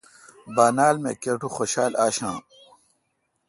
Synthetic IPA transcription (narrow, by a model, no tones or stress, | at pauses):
baːnaːlmḛːkeʈuxoɕaːlaːɕãː